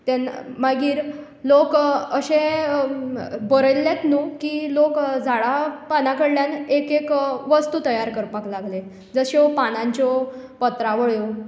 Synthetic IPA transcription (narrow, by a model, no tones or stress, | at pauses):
t̪enmaɡiːɾ | lokəɕẽ | bəɾəlːjat̪nuːkiːlokd͡zʱaɭapanãkəɽljanekekʋəst̪uːt̪əjaɾkəɾpaklaɡle | d͡zəɕopanãɲt͡ɕɔpət̪ɾaʋəɭjo